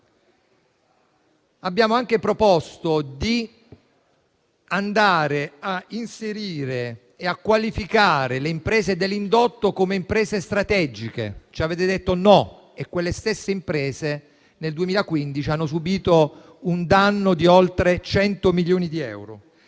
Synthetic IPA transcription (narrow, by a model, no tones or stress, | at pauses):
abːjaːmoaŋk̟epɾopɔst̪od̪i | and̪aːɾeainseɾiːɾeː | akːwalifikaːɾeleimpɾɛːzed̪elːind̪ot̪ːokomeimpɾɛːzest̪ɾat̪ɛd͡ʒikḛt͡ʃaveːt̪ed̪et̪ːonɔ | ekːwelːest̪esːeimpɾɛːze | neld̪uemiːlakwind̪it͡ʃianːos̬ubiːt̪o | und̪anːod̪iolt̪ɾet͡ʃɛnt̪omiljoːnid̪iɛ̰wɾo̰